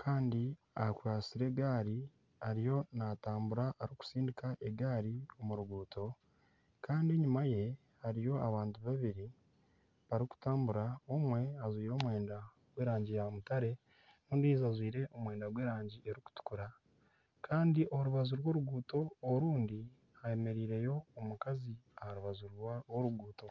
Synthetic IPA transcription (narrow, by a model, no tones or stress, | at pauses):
kʰaːndi | akwaːsiɾe̞ɡaːɾi | aɾijo̞nataːmbuɾaʔːɾiku̥siːndikaʔeɡaːɾio̞muɾuɡuːto̞ | kaːndiɲumaje̞ | haɾijo̞aβaːntuβaβiɾi | βaɾiku̥taːmbuɾao̞mwe̞azwiːɾo̞ːmwe̞ːnda | ɡweːɾaːɲɟijamutaɾe̞ | nuːndizazwiːɾe̞ʔomweːndaɡweːɾaːɲɟiʔeɾiku̥tu̥kuɾa | kʰaːndiʔo̞ɾuβazuɾwo̞ːɾuɡuːto̞ːɾuːndi | ajeme̞ɾiːɾe̞jo̞ːmukaziahaɾuβazuɾoɾuɡuːto̞